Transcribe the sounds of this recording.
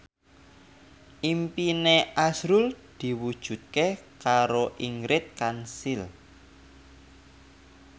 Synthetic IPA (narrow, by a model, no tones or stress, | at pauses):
ʔimpineasɾuld̪̥i̤wud̥ʒ̥ṳt̪̚kekaɾoʔiŋɾɪt̪̚kansil